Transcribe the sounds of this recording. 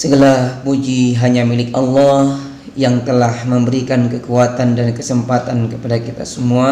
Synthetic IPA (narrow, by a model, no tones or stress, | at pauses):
səɡəlarpud͡ʒiɦaɲamilɪkɑlːɑh | jaŋt̪əlahməmbəɾikankəkuat̪andankəsəmpat̪ankəpadakit̪a̰səmua